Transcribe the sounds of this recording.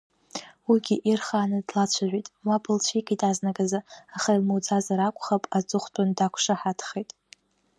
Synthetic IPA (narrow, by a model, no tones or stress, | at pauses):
wiɡʲiʔirχaːnɨdlat͡ɕʷʰaʒʷitʼwapʰɨlt͡ɕʷʰiɡʲʼitʼaznaɡazaaχailmod͡zazaɾakʷʼχapʼat͡sʼɨχʷtʼandakʷʰʂaħatʰχejtʼ